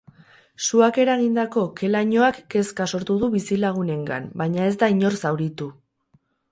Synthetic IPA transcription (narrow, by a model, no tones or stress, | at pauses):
suake̞ɾaɣ̞ind̪ako̞ke̞laɲoakːe̞skaso̞ɾt̪uðuβisilaɣ̞une̞ŋɡa̰mbaɲae̞zd̪aiɲo̞rsawɾit̪u